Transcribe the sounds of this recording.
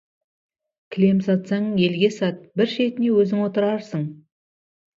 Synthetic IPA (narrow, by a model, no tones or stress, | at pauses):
kʲʰɪle̞msɑt̪sɑɴje̞lɡʲe̞sɑt̪̚bɪɾʃe̞t̪ɪne̞wɵzɪŋwo̞t̪əɾɑɾsəɴ